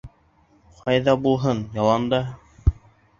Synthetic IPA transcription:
qʰɑjðɑbulˠɦɤnjɑlˠɑnd̪ɑ

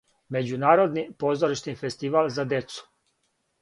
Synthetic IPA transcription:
me̞d͡ʑunaːɾod̪nipo̞zoɾiʃnife̞st̪iʋalzad̪e̞t̪su̥

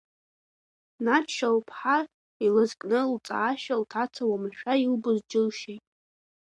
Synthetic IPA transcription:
nat͡ʃʰʃalpʰħa | ilazkʼnɨlt͡sʼa̰ːʃᶣaltʰat͡sʰawamɨʃᶣailbɨzd͡ʒɪlʃejtʼ

